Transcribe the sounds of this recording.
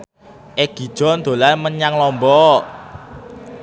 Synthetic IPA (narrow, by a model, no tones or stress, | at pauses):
ʔeɡ̥i̤d̥ʒ̥ɔ̤nd̪̥o̤lanməɲaŋlɔmbɔ